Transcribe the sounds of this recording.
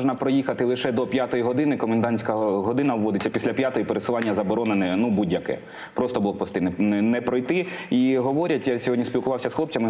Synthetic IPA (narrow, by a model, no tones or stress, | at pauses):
ʒnɐpɾɔjixɐt̪ɪlˠɪʃɛd̪ɔpʲjat̪ɔjiɦɔd̪ɪnɪkɔmend̪ɑnʲsʲkɐɦɔd̪ɪnɐwʋɔd̪ɪt͡sʲːɐpʲisʲlʲapʲjat̪ɔjipeɾesɪlˠɑnʲːɐzɐbɔɾɔnɪnɪnubudʲjɐkɛ̰ | pɾɔst̪ɔblˠɔk̚pɔst̪ɪnɪnɛpɾɔjt̪ɪiɦɔʋɔɾʲɐtʲjasʲɔɦɔdʲnʲispʲilˠkʊʋɑwsʲɐsxlˠɔpt͡sʲɐmɪ